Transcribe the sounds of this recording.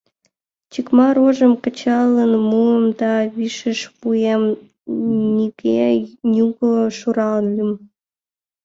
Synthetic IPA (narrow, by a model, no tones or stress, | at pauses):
t͡ɕikmɑɾoʒəmkə̆t͡ɕɑlənmuəmd̪ɑβiʃəʃpujem | nʲiɣejuɣoʃuɾɑlənlym